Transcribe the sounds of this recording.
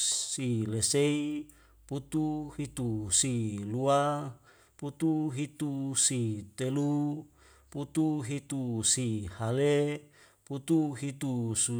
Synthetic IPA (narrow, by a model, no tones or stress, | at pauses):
silesei | put̪uhit̪usilua | put̪uɦit̪usit̪elu | put̪uɦit̪usihale | put̪uɦit̪usu